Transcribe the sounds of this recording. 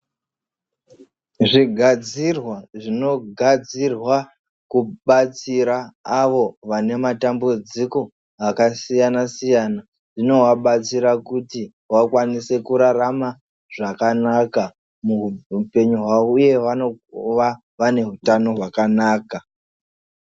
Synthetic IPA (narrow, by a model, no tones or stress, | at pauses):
ʐiɡʱad͡zirwaʐino̞ɡʱad͡zirwa | kuɓat͡siɾaːʋo̞ʋane̞matambud͡ziko̞ | akasijanasijana | ʐ̥ino̞waɓat͡siɾakuti | wakwanise̞kuɾarama | ʐakanaka | muupe̞ɲuɦwaouje̞ʋaoʋa | ʋane̞ɦutano̞ɦwakanaːka